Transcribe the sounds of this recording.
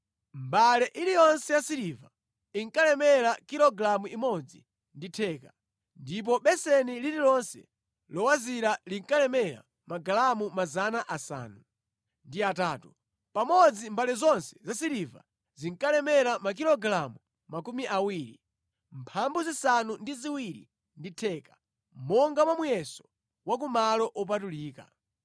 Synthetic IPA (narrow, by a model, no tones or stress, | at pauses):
mbalɛʔilijɔnsɛjasiɾiva | iŋkalɛmɛɾakiɾɔɡɾamuimɔd͡zi | nditʰɛːka | ndip̬ɔɓɛsɛnilililɔnsɛ̰ | lɔwaziɾaliŋkalɛmɛɾa̰ | maɡalamumazanaʔasa̰ːnu | ndiataːtu | pamɔd͡zimbalɛzɔnsɛ̥zasiɾiva̰ | ziŋkalɛmɛɾamak̬ilɔɡɾamu | makumiʔawiːɾḭ | mpʰambuzisanundiziwiɾḭ | nditʰɛːkḁ | mɔŋɡamamujɛsɔ̥ | wak̬umalɔʔɔp̬atuliːka̰